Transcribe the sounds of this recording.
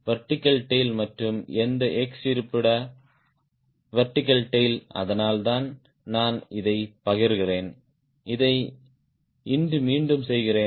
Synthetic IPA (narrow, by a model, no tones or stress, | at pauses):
ʋɐɾʈːɪkːɐlʈːeɪlmɐʈrɯmɛnd̪ɐʔɛksɪɾɯpːɪɽɐ | ʋɐɾʈːɪkːɐlʈːɐɪlɐ̰ðɐnaːlt̪aːn | naːnɪðɐɪpɐɣɪɾɣɪreːn | ɪðɐɪ | ɪndɯmiːɳɖɯmsɛjɣɪreː